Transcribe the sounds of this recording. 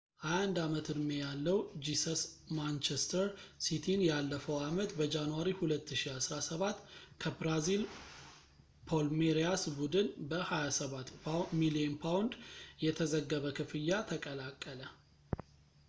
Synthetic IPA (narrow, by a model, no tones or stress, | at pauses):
ʔajand̪amət̪ʰɨdmejalːəwd͡ʒisəsmant͡ʃest̪ʰəɾsit̪ʰinjalːəfəwamət̪bəd͡ʒanuwaɾihulət̪ːɨʃiasɾasəβat̪ːkʰəbɾazil | pʰolmeɾijasbud̪ɨnbəhajasəβat̪ːmilienpʰawnd̪jɛt̪ʰəzəɡːəβəkʰɨfɨjːat̪ʰəkʼəlakʼːələ